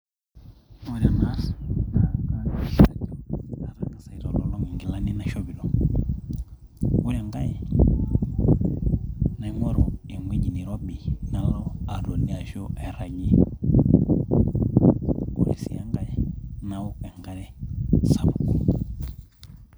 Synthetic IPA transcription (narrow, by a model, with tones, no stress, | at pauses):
u˨ɾa˨na˦sna˨ŋɡa˦˨ʃa˨tɔ˦a˨ɾa˨ŋa˨sa˨i˨ɾɔ˨lɔ˨lɔ˦ŋwi˨ŋɡi˨la˦ni˦na˦ʃɔ˦βi˨lɔ˨ | u˦ɾa˨ŋɡa˦jɛ˨ | na˨˦ŋwɛ˦ɾɔ̰˨ɛ˨ŋwi˦ɲi˨ni˨ɾɔ˦ɓi˨na˨lɔ˦a˨ɾo˨ni˨a˨ʒɔ˦ʔɛ˨ɾa˨ɲi˦ | ṵ˨ɾɛ̰˨sḭ˨a˦ŋɡa˦jɛ˨na˦ɔ˦ɛ˨ŋɡa˦ɾɛ˦sa˨mu˨kɔ˨